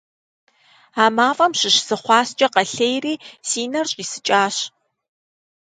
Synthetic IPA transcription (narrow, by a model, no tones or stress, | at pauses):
aːmaːfʼɐmɕɪɕsɨχʷɑːst͡ʃʼɐqɐɬejriːsiːnɐrɕʼisɨt͡ʃʼaːɕ